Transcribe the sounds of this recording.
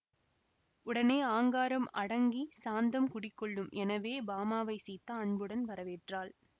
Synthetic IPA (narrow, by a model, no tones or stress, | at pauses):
ʊɽɐneːaːŋɡaːɾɐmɐɽɐŋɡisaːnd̪ɐmkʊɽɪkːɔɭːɯmʔɛnɐʋeːbaːmaːʋɐɪsiːt̪ːɐɐɳbɯɽɐnʋɐɾɐʋeːʈraːl